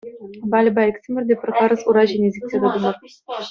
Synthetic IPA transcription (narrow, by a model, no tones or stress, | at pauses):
bɑlʲbɑeksʲemʲɘ̆rʲd̪ʲepʲrʲχɑɾɤ̆suɾɑʑenʲezʲek̚tʲːed̪ʲɘ̆d̪umɤ̆r